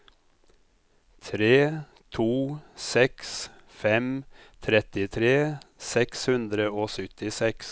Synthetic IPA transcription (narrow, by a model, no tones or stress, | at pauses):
t̪ʰɾeː | t̪ʰuːsɛks | fɛmt̪ʰɾɛt̪ɪt̪ʰɾeːsɛkshʉnd̪ɾəoːsʏt̪ɪsɛks